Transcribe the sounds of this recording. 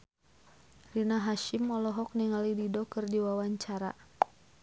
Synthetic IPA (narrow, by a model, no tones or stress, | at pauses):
rinaɦaʃimɔlɔɦɔk̚niŋalididɔkɨrdiwawaɲt͡ʃaɾa̰